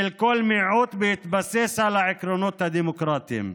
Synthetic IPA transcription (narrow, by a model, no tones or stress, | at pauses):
ɪlkoːlmiʕuːt̪bɪjɪt̪basːeshalaʕɪkɾonoːt̪ad̪iːmʊkɾˤɑːt̪ɪ̰m